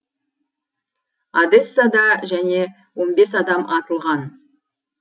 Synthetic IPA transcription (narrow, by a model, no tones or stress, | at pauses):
ɑd̪e̞sːɑd̪ɑʒæne̞ | wo̞nbe̞sɑd̪ɑmʔɑt̪əlˠʁɑn